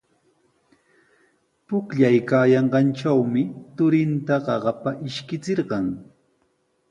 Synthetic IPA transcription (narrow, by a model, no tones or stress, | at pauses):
pʊkʎajkaːjɑɴɢɑnʈ͡ʂawmɪt̪ʊɾɪnt̪aɢɑɢɑpaʔɪʃkɪt͡sɪɾɢɑŋ